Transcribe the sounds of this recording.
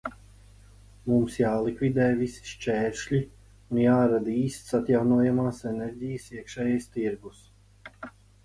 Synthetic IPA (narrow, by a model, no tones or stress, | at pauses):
mumsjaːlˠikvʲid̪ɛːjvisi̥ʃt͡ʃɛːɾʃlʲi | unjaːɾad̪iːst̪sat̪jawnuɔjamaːsɛnɛɾʲɟijəsiəkʃɛːjajst̪iɾɡus